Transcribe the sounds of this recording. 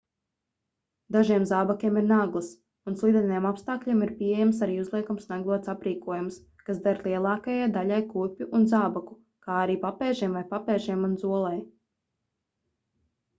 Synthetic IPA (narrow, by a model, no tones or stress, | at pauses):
d̪aʒiɛmzaːbakʲiɛmiɾnaːɡlˠəs | unslˠid̪ʲɛnajɛmapst̪aːkʎʲiɛmiɾpʲiejamsaɾiːuzlˠiɛkumsnaɡlˠuɔsapɾiːkuɔjums | kasd̪aɾlˠiɛlˠɑːkajajd̪aʎajkupʲjuʔunzaːbaku | kaːaɾiːpapɛːʒiɛmvajpapɛːʒiɛmunzuɔlˠaj